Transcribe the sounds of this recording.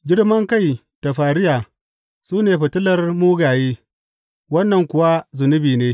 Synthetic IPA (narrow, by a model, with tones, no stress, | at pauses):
ɡʲɪ˦rmɐ˦ŋka˦˨j | d̥a˨ɸaː˨ɾɪ˦jaː˨ | suː˦neː˨ɸɐ˨tʊ˦lɐ˦rmuː˦ɡaː˨jeː˦ | wɐ˦nːɐ˨ŋkʷʊ˨wa˦zʊ˨nʊ˦biː˨neː˦